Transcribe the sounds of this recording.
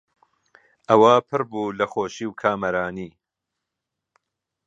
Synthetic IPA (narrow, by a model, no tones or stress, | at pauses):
ʔɐwapʰɨɾbuːlɐxoːʃiːwkʰaːmɐɾaːniː